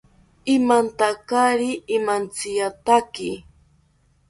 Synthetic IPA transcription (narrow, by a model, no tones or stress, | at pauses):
ɪmant̪akaɾɪːmant͡sɪjat̪akɪ